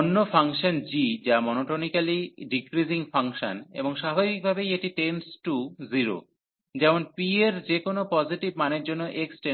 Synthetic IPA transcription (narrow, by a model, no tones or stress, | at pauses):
nːofaŋʃond͡ʑid͡ʑamɔnoʈonikaliɖikɾiziŋfaŋʃonḛboŋʃabʱabik̚bʱabejeʈiʈensʈuziɾo̰ | d͡ʑɛmonpieɾd͡ʑekonopɔziʈibmaneɾd͡ʑonːoʔeksʈe